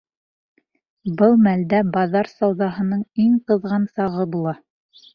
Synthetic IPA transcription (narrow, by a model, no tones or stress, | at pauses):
bɤlˠmæld̪æbɑðɑɾsɑwðɑɦɤ̆nɤɴiɴqɤ̆ðʁɑnsɑʁɤbulˠɑ